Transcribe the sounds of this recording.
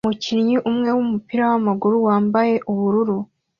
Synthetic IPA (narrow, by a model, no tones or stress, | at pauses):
mucinɲiʔumŋe̞wumupiɾawamaɡuɾuwaːmbaje̞ʔuβuɾuɾu